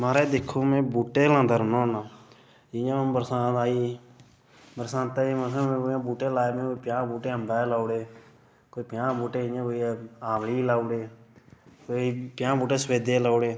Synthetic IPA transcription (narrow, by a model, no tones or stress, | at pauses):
maːɾeːd̪ɪkʰoːmẽːbuːʈeːlãːnd̪əɾnõːnaː | ɪjãbəɾsãːt̪aːiː | bəɾsãːt̪aːiːməsamẽːoãːbuːʈeːlaːeːmẽːkoːpɪjãːbuːʈeːəmbaːlaːʊɽeː | koːiːpɪjãːbuːʈeːjãːkoːiaːmliːlaːʊɽeː | koːiːpjãːbuːʈeːsweːd̪eːlaːʊɽeː